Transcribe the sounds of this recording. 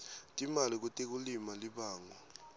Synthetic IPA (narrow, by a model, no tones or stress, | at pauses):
tʼimalik̬utʼek̬ulimaliɓaːŋɔ